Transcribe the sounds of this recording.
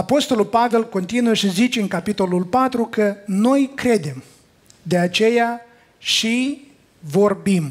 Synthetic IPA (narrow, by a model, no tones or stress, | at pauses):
apo̞st̪o̞lulpave̞lko̞nt̪inuəʃizit͡ʃe̞ɨŋkapit̪o̞lulpat̪ɾukəno̞jkɾe̞d̪e̞m | d̪e̞at͡ʃe̞ja | ʃi | vo̞rbim